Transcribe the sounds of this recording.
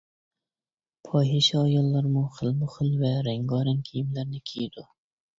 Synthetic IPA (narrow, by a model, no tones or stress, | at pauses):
pʰɑːɦiʃɛːjɑlˠːɑɾmʊχɪlmʊχɪlvɛɾæŋɡɑːɾaŋkʲʰijimlæɾnɪkʲʰijd̪̥ʊ